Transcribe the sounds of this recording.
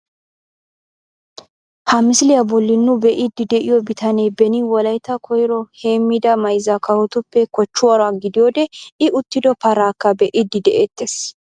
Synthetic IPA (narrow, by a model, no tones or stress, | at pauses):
hɐmɪsɪlɪjɐbɔlːɪnːʊbɛʔɪd̪ːɪd̪ɛʔɪjɔbɪt̪ʰɐneːbɛnɪwɔlɐjt̪ːɐkʰɔjɪɾɔhe̞ːmːɪd̪ɐmɐjzɐkɐwɔt̪ʊpːɛkɔt͡ʃːʊwɐɾɐɡɪd̪ɪjoːd̪ɛɪʊt̪ːɪd̪ɔpɐɾaːkːɐbɛʔɪd̪ːɪd̪ɛʔeːt̪ːeːs